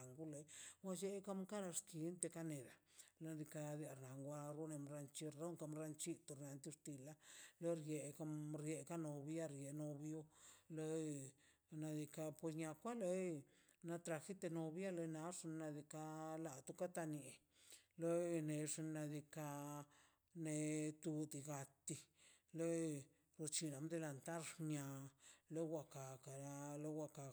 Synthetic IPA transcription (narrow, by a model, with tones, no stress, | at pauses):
a˨ŋɡu˦le˧wa˧d͡ʒe˧ka˦mka˦ɾa˧ski˧˨˦nt̪e˧ka˧ne˨d̪a˨la˧d̪i˧ka˧d̪i˧a˧ɾna˨ŋɡʷa˧ɾo˦ne˧mɾa˧nt͡ʃi˧ɾa˦ŋka˧mɾa˧nt͡ʃi˦t̪u˧ɾna˨˧nt̪i˧˦st̪i˧la˦le˦ɾje˨˧ka˧mɾje˧ka˦no˧bja˦ɾje˨no˧bjo˦le˧˦ | na˧d̪i˧ka˧pwe˧s̬ɲa˧kʷa˦le˧ | na˧t̪ɾa˧xi˦t̪e˧no˧bja˦le˧na˧˦ʂi˧nna˧d̪i˧ka˧la˨t̪u˦ka˦t̪a˧ni˨ | le˦ne˧ʂi˧nna˧d̪i˧ka˧ | ne˧t̪u˧d̪i˧ɡa˧t̪i˧ | le˦ | ɾo˧t͡ʃi˧na˨md̪e˧la˧nt̪a˦ɾʂɲa˧le˦wʷa˧ka˨ka˨ɾa˧le˦wa˧ka˧